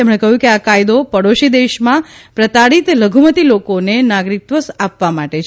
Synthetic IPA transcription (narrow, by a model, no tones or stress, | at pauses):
emɳ̃ekəɦjũkeakajd̪opəɽoʃid̪eʃmãpɾət̪aɽit̪ləɡʱumət̪ilokonenaɡɾik̚t̪ʋəsapʋamaʈet͡ʃʰ